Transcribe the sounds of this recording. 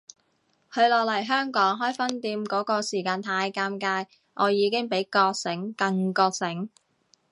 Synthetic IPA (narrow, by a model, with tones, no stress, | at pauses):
hɵ˨˧lɔː˨k̚lɐ˨˩jɦœː˥ŋkɔː˨˥ŋɦɔː˥jfɐ˥nt̪iː˧mkɔː˨˥kɔː˧siː˨˩kaː˧nt̪ʰaː˧jkaː˧mkaː˧j | ʔɔː˨˧jiː˨˧kɪ˥ŋpe˨˥jkɔː˧k̚sɪ˨˥ŋkɐ˧ŋkɔː˧k̚sɪ˨˥ŋ